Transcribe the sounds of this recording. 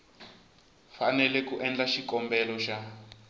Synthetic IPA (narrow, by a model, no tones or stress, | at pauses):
fanɛlɛkuʔɛnd͡ɮaʃikɔmbɛlɔʃa